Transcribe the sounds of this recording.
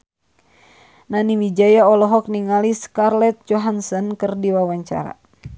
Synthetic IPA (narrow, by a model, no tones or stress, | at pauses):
nanimid͡ʒajaɔlɔɦɔk̚niŋaliskarlɛt̪̚d͡ʒɔɦansɔnkɨrdiwawaɲt͡ʃa̰ɾa̰